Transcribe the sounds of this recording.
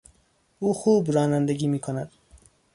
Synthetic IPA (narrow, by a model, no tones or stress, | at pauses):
uːxuːbɾɒːnænd̪eɡiːmiːkʰonæd̪̥